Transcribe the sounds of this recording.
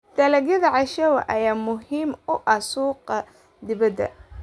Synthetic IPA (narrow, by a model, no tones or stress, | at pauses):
d̪̥ɐlɐɣjɐðɐʕɑʃɐwɐ̰ʔɐjaːmʊɦiːmʊʔɐsuːqɐ | d̪ɪβɐd̪ːɐ̰